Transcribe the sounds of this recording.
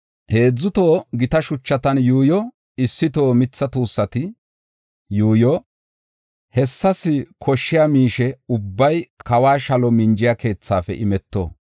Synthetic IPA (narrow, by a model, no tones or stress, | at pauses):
he̞ːd͡zːʊt̪o̞ːɡɪt̪ɐʃʊt͡ʃːɐt̪ɐnjuːjɔ | ɪsːɪt̪o̞ːmɪt͡sːɐt̪uːsːɐt̪ɪ | juːjɔ | hɛsːɐsɪkʰɔʃːɪjaːmiːʃɛʊbːɐjkɐwaːʃɐlɔmɪnd͡ʒɪjakʰe̞ːt͡sːaːfɛ̰ʔɪmɛt̪ːo̰ː